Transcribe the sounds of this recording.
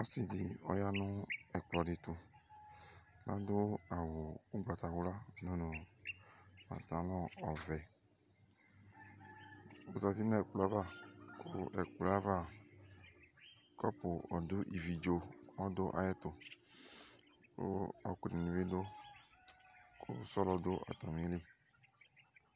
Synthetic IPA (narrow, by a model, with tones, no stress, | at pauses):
ɔ˦si˨di˨ɔ̰˦ja˦nʊ̃˦ɛ˨k͡plɔ˨di˨t̪u˨ | la˦do˦a˨wo˨u˦ɡ͡ba˨t̪a˨wu˦la˦no˦nõ˨ | mã̰˨t̪ã˨lɔ˦ɔ˨vɛ˨ | o˨za˨vi˦nũ˦ɛ˨k͡plɔ˨a˦va˦kʰo̰o̰˦ʔɛ˨kla˦va˦˨ | kɔ˦pʊ˨ɔ˨dʊ˦ʔi˨vi˨d͡ʒo˨ɔ˦do˦ʔa̰˨jɛ˦t̪o˨ | ko̰˦ɔ˨ku˨nĩ˨nĩ˨ve˦do˦ | ko̰˦sɔ˦lɔ˨do˦ʔa̰˨t̪a˨mĩ˦le˦